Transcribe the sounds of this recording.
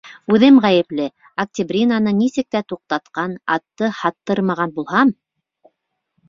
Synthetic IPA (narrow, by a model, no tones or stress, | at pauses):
ʉðɘmʁæjɘ̆plɘ | ɐk̚tʲibrʲinanɤnisɘ̆k̚t̪æt̪uq̚t̪ɑt̪qɑnɑ̰t̪ːɤhɑt̪ːɤɾmɑʁɑnbulˠɦɑm